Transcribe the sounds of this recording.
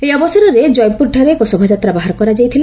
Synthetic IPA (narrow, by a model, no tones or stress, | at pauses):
ejɔbɔsɔɾɔɾed͡ʒɔjmpuɾɖʱɔɾekosɔbʱɔd͡ʒat̪ɾabaɦaɾɔkɔɾad͡ʒajt̪ʰila